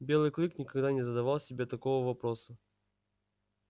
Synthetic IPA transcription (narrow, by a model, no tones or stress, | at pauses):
bʲe̞lˠɨjklˠɨknʲɪkɐɡd̪anʲɪzəd̪ɐvɑlˠsʲɪbʲet̪ɐkovəvɐpɾo̞sə